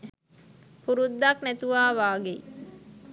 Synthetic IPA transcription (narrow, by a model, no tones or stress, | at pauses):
puɾud̪ːaknæt̪uʋaːʋaːɡe